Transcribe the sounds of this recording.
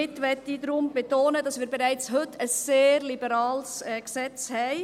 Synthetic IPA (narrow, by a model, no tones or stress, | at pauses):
ɪtʋɛtidɾʊmb̥etoːnədɑsʋiːɾbeɾæɪt͡sɦɵtʰəsːeːɾlibəɾɑːlsɛksɛt͡shɛɪ